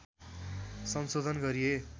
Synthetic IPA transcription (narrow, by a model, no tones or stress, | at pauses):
sʌnsod̪ʱʌnɡʌɾije